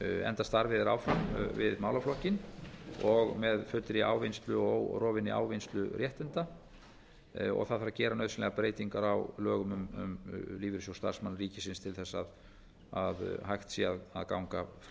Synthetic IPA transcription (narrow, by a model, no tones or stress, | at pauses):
ɛ̰nt̪ast̪aɾvɪðɪɾa̰wfɾamvɪðmaːwlaflɔhcɪnɔɣmɛðfʏt̪ɾɪa̰ːwvejnst̪lʏowrɔːvɪniʔa̰ːwvɪnst̪lʏɾjɛht̪ɛnt̪a | ɔ̰ɣθaðθaɾacɛːɾanœɥðsɪnɛɣapɾeːjt̪iŋkaɾawlœːɣʏmʏmʏ̰mliːvɪɾsjowst̪a̰ɾ̥smanriːcɪsɪnst̪ʰɪlθɛsːað | aðɦajxt̪siaðaðkawŋka